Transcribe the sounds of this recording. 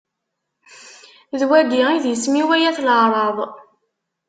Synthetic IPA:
ðwæɡiiðjəsmiwæjæθləʁɾˤɑðˤ

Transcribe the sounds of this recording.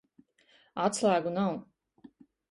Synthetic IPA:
at̪slˠæːɡunaw

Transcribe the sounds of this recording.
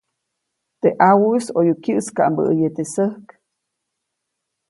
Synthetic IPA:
t̪eʔawusojukʲjɨʔskaʔmbə̰ʔːjet̪esəhk

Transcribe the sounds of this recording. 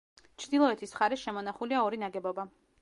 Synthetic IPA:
t͡ʃʰd̪ilˠɔɛt̪ʰisχaɾɛsʃɛmɔnaχuliaɔɾinaɡɛbɔba

